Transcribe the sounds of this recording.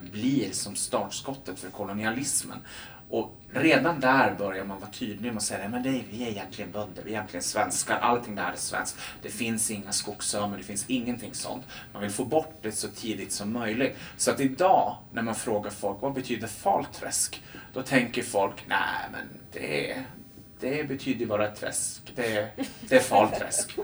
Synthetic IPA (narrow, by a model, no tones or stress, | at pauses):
bliɾsɔmst̪ɑːʈʂkɔt̪ːət̪fœɾkʰɔlʊnɪalɪsmə̰n | ʔɔ | ɾeːd̪and̪æɾbœɾjaɾmanvɑːt̪ʰyːd̪lɪmɔsɛjːanɛmɛnd̪ɛvɪæɾɪjɛnt̪ʰlɪɡənbœd̪d̪əvɪɛjɛnt̪lɪɡənsvɛnskaɾʔa̰lt̪ʰɪŋlæːɖəsvɛ̰nskd̪̥ɛfɪnsɪŋːaskʊksœːməɖ̪ɛfɪnsɪŋːənt̪ʰɪŋːsɔ̰nt̪manvɪlfoːbɔʈːd̪ɛsɔt̪ʰiːd̪ɪɡ̚t̪sɔmːœjlɪɡt̪sɔat̪ɪd̪ɑːnʔæɾmanfɾoːɡaɾfɔlkvabɛt̪ʰyːd̪əɾfɑ̰ːlt̪ʰɾɛ̰skd̪̥ɔt̪ʰɛŋkəɾfɔlknæ̰ɪmɛ̰nd̪̥ɛ̰ | d̪̥ɛbɛt̪ʰyːd̪əɾjbɑːɾat̪ʰɾɛ̰skd̪ɛd̪ɛæɾfɑ̰ːlt̪ʰɾɛ̰sk